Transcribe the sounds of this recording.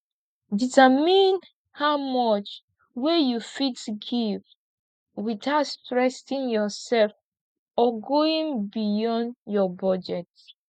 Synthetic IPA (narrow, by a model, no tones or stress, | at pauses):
ditəmĩn | haʊmɔt͡ʃ | wejufitsɡiv | wiθaʊtstɹɛstĩnjɔsɛlf | ɔɡoĩŋbijɔ̃ndjɔbɔd͡ʒɛt